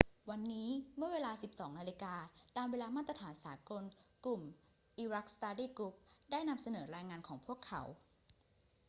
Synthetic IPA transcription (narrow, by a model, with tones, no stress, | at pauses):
wa˧nːiː˦˥mɯ˥˩ɐweː˧laː˧si˨˩p̚sɔː˩˦ŋnaː˧li˧kaː˧t̪aː˧mweː˧laː˧maː˥˩t̪ɾa˧t̪ʰaː˩˦nsaː˩˦ko˧nklu˨˩m | ʔiː˧ɾa˦˥k̚st̪aː˧diː˥˩ku˦˥p̚daː˥˩jna˧msa˧nɤː˩˦ɾaː˧jŋaː˧nkʰɔː˩˦ŋpʰu˥˩əkʰːa̰˩˦w